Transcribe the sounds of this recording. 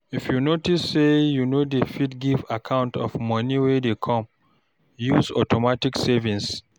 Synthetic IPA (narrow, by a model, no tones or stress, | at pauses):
ifjunotisːejunodefitɡivakʰãʊ̃ntɔ̰fmʌ̃niwɛdekʰɔ̃m | juzɔ̰tʰɔmatiksɛvĩns